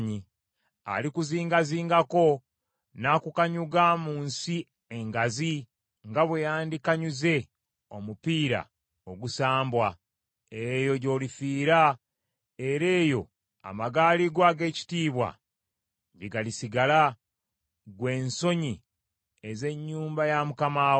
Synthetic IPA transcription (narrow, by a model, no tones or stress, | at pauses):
ɲi | a̰likuziːŋɡaziːŋɡako̞ | nakukaɲuɡamuːnsi | e̞ŋɡazi | ŋɡaβwejaːndikaɲuze̞ | o̞mupiːɾa̰ | o̞ɡusaːmbwa | eɾeːjo̞ɟo̞ːlifiːɾa | e̞ɾe̞ːjo̞ | a̰maɡaːliɡwaːɡe̞ːci̥tiːβwa̰ | ɟeɡalisiɡala | ɡwe̞ːnso̞ɲi | eze̞ɲːuːmbajamukamaː